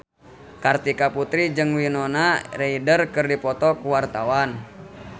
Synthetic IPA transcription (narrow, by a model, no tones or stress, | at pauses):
kart̪ikaput̪ɾid͡ʒɨŋwinɔnareidərkɨrdipɔt̪ɔkuwart̪awan